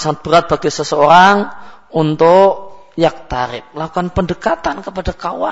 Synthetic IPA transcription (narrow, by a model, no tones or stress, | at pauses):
saŋat̪̚b̥əɾat̪̚b̥aɡɛsəsəoɾaŋ | unt̪ʊʔ | jak̚t̪aɾɪ̰p̚lakukanpəndəkat̪ankəpadakawa̰